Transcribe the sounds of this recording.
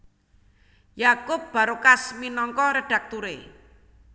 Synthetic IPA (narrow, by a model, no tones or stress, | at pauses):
jakʊp̚b̥a̤ɾokasminɔŋkɔɾeɖ̥a̤k̚t̪uɾe